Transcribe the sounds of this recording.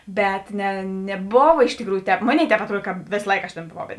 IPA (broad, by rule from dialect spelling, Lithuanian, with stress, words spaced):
ˈbʲɛt nʲɛ nʲɛˈboːʋɐ ɪʃ tʲɪkˈruːjuː ˈtʲɛːp ˈmoːˌnʲeːɪ ˈtʲɛːp ɐtˈruɔt kɐt ˈʋʲeːsɐ ˈlˠɐɪkɐ ɐʃ ˈtʲeːn boːˈʋɐʊ